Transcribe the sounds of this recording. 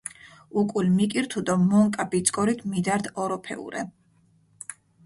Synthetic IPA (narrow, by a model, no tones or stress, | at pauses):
ukʼulmikʼiɾt̪ʰud̪ɔmɔŋkʼabit̪sʼkʼɔɾit̪ʰmid̪aɾd̪ɔɾɔpʰɛ̰ṵɾɛ̰